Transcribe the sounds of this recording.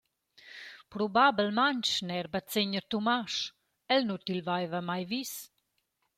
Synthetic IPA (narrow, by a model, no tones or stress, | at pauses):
pɾubabɛlmaɲt͡ʃnɛɾbat͡seɲəɾt̪umaʃ | ɛlnut̪ilvajvamajvis